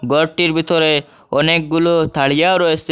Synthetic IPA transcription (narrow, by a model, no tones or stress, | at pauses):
ɡɔɾʈiɾbʱit̪ɔɾe | ɔnek̚ɡulɔt̪ʰaɭijaoɾɔes